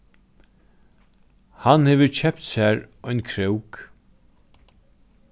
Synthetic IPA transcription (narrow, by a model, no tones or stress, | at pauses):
hanhɛːʋəɾcʰɛpt̪sæːɾɔʏnkʰɾœwk